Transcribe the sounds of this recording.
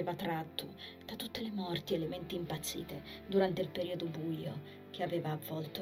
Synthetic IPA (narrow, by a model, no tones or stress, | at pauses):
eːvat̪ːɾat̪ːo | d̪̥at̪ut̪ːelemɔrt̪ielement̪iːmpat̪sːḭːt̪ed̪uɾant̪eilpeɾiːod̪obujo | k̟eaveːvaːvːɔlt̪o